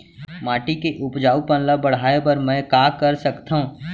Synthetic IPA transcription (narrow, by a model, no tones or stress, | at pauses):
maːʈikeʔʊpd͡ʒaːupə̃nləbəɽ̤aːebəɾmɛ̃kaːkəɾsəkt̪aɦũː